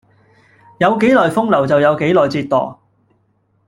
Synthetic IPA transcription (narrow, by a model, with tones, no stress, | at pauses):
jɐ˨˧wke˨˥jlɔː˨˩jfʊ˥ŋlɐ˨˩wt͡sɐ˨wjɐ˨˧wke˨˥jlɔː˨jt͡siː˧t̪̚t̪ɔ̰ː˨˩